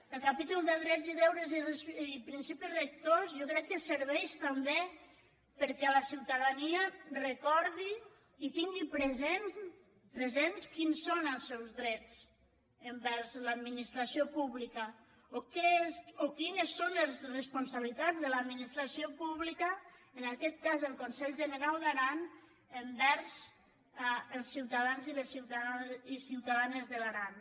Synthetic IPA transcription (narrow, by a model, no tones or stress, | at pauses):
elkapit̪ulˠd̪eðɾɛziðɛwɾezirsipɾinsipizrek̚t̪ozjɔkɾɛkːeseɾβɛʃt̪ambe | pəɾkɛlasiwt̪aðaniarekɔɾðiː | t̪iŋɡipɾezen | pɾezenskinsːonəlˠsːɛwzðɾɛt͡s | əmbɛɾzləd̪minist̪ɾasiopuβlikə | okesokinəsːonəzrespunsaβilit̪ad͡zzðəlad̪minist̪ɾasiopuβlikəənakɛt̪̚kazəlˠkonsɛʎʒənəɾalˠd̪aɾan | əmbɛɾz̥ | əlˠsiwt̪aðanziləsiwt̪aisiwt̪aðanəzðəlaɾan